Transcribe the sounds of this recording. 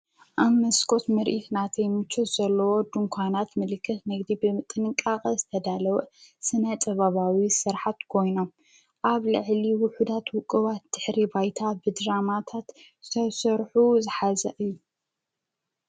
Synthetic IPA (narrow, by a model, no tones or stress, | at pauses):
ʔaβmmːɐskʰo̞t̪mɨɾʔit̪nat̪ʰɐjmɨt͡ʃʰːot̪z̥ɐlːɐwo̞d̪ɨŋkʷʰanat̪mɨlɨkʰːɨt̪nɨɡd̪ibɨmɨt̪ʼːɨnɨŋkʼakʼɐzɨt̪ʰɐd̪alɐwɐsɨnɐt̪ʼɐβaβawisɨɾħat̪kʰo̞jno̞m | ʔaβlɨ̰ʕliwʊħud̪at̪wʊkʼɨβat̪̚d̪̥ɨħɾibajt̪ʰabɨd̪ɾamat̪ʰat̪ | sɐβsɐɾħuzɨħazɐʔɨjːu